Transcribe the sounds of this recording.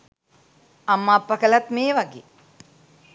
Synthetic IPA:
amːaːpːɐkəlat̪meːʋaɡḛː

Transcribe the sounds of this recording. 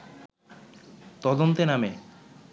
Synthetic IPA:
t̪ɔd̪ont̪ename

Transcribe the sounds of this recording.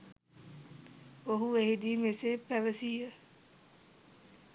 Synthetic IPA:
oɦueɦid̪iːmesepæʋəsiːə

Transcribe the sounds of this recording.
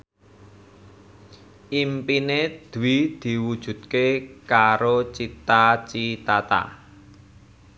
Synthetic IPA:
ʔimpined̪̥uwid̪̥i̤wud̥ʒ̥ṳt̪̚kekaɾot͡ʃit̪at͡ʃit̪at̪a̰

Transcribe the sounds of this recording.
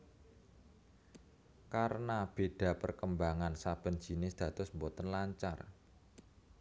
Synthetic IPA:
kaɾənab̥e̤ɖ̥ä̤pərkəmbaŋansab̥ə̤n̥d͡ʒ̥i̤nɪsd̪̥ä̤t̪ʊsmbot̪ənlaɲt͡ʃa̰r

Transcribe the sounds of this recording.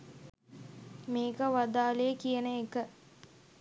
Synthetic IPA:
meːkəʋad̪aːlejəkijənəekə

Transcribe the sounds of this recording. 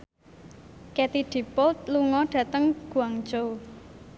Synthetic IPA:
kɛt̪iɖ̥i̤pʊlt̪̚luŋɔɖ̥ä̤t̪əŋɡ̥ṳaŋ̥d͡ʒow

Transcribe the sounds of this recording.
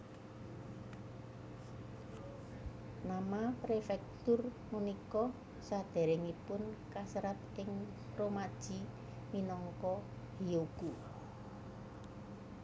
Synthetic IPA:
namapɾefɛk̚t̪ʊr | munikɔ | sad̪̥ɛ̤ɾɪŋipʊnkasɾat̪ɪŋ | romad̥ʒ̥i̤ | minɔŋkɔ | hioɡ̥u

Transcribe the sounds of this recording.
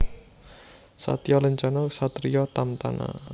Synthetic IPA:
sa̰t̪jɔləɲt͡ʃanɔsat̪ɾijɔt̪amt̪a̰nʔa̰

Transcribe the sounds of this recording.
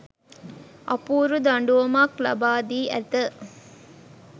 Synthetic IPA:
ɐ̰puːɾud̪ɐɳɖuʋɐmaklɐ̰baːd̪iːʔæ̰t̪ə

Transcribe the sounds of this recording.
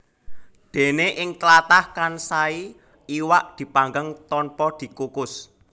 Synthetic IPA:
d̪̥e̤neʔɪŋt̪əlat̪ahkansai | iwaʔd̪̥i̤paŋɡəŋt̪ɔnpɔd̪̥i̤kukʊs

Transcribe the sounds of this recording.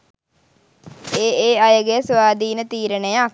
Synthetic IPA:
eːeːajəɡejəsʋaːd̪ʱiːnət̪iːɾənəjəa

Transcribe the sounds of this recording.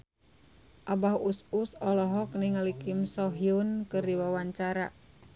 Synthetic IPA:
ʔabahususɔlɔɦɔk̚niŋalikɪmsɔɦiunkɨrdiwawaɲt͡ʃaɾa

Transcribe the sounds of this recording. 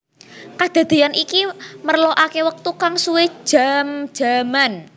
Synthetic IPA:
kad̪̥a̤d̪̥i̤anikimərloʔakewək̚t̪ukaŋsuwe̥ʒ̥amd̥ʒ̥a̤man

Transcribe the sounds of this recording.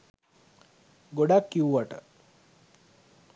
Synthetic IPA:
ɡoɽakːiwʋaʈə̰

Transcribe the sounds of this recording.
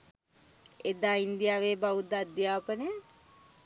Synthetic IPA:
ed̪aːind̪ijaːʋeːbaʋud̪ad̪jaːpəne

